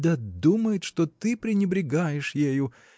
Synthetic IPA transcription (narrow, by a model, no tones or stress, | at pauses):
d̪ɐd̪uməjɪt̪ʂt̪ot̪ɨpɾʲɪnʲɪbɾʲɪɡajɪʂjejʊ